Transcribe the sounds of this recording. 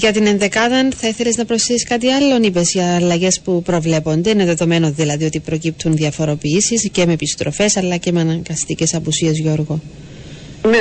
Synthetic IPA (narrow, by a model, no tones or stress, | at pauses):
ʝɐt̪ine̞nðe̞kɐðɐnθɐiθe̞leznɐpɾosθesiskɐt̪̬iɐlːo̞nip̬e̞sijɐːlːɐʝe̞spupɾo̞vle̞po̞nd̪e̞ineðe̞ðo̞me̞noðilɐðiot̪ipɾo̞cip̚t̪ʰunðiɐfo̞ɾo̞piisisce̞mepist̪ɾofe̞sɐlːɐce̞meɐnɐŋɡɐst̪ice̞sɐpusiezʝo̞ɾɣo | m